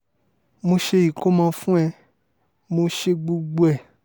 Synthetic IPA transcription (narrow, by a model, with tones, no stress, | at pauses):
mo˧ʃe˧i˨ko˦mã˧fũ˦ɛ˧ | mo˧ʃe˧ɡ͡bu˧ɡ͡bu˧ɛ˨